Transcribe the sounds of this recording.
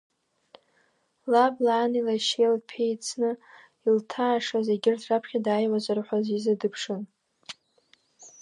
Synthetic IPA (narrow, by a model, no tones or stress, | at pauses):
lablaːnilaʃelpʰejt͡sʰnɨ | iltʰaːʂazeɡʲɪrtʰrapʰχʲadaːjwazarħʷazizadɨpʰʂɨn